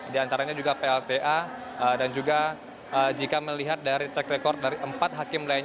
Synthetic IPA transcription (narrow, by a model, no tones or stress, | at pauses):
diant̪aɾaɲad͡ʒuɡapeɛlt̪eʔa | ədand͡ʒuɡa | əd͡ʒikaməliɦat̪̚daɾit͡ʃɛkɾekɔrt̪̚daɾiʔəmpat̪̚ɦakɪmlaj